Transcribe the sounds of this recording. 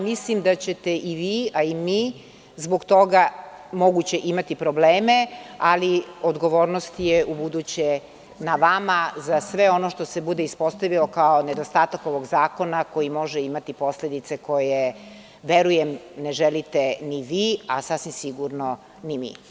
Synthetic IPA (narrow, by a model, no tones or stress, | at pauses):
mislimd̪at͡ɕet̪eʔiʋiːaimi | zboɡt̪o̞ɡamoɡut͡ɕe̞ʔimat̪ipɾo̞bleːmealiod̪ɡo̞ʋo̞ːɾnost̪jeubud̪ut͡ɕe | naʋamazasʋe̞o̞noʃt̪osebud̪eispo̞st̪aʋilokaoned̪ost̪aːt̪ako̞ʋo̞ɡzaːko̞nako̞imo̞ʒɛimat̪ipo̞sled̪it̪se̞ko̞je | ʋeɾujemneʒelit̪eniʋiːasasʋimsiɡuɾno | nimḭ